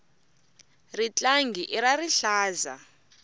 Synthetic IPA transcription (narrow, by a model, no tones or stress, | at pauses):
rit͡ɬʼaŋɡʱiʔiɾariɬaːza̰